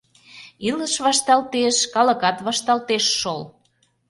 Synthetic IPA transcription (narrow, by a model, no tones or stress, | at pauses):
iləʃβɑʃt̪ɑlt̪eʃkɑlə̆kɑt̪βɑʃt̪ɑlt̪eʃːol